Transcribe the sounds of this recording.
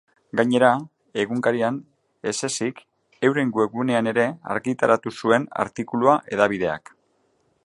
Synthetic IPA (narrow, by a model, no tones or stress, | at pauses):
ɡaɲe̞ɾa | e̞ɣuŋkaɾian | e̞se̞sik | e̞wɾe̞ŋɡue̞kune̞ane̞ɾe̞a̰ɾɣit̪aɾat̪usue̞na̰ɾt̪ikuluaʔe̞ðaβ̞iðe̞a̰k